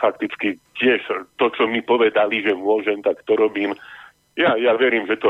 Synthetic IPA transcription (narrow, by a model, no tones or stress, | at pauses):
fak̚t̪it͡skicɪɛʃt̪ɔt͡ʃɔmipɔʋɛd̪aliʒɛmʊɔʒɛmt̪akt̪ɔɾɔbiːm | jajaʋɛɾiːmʒɛt̪ɔ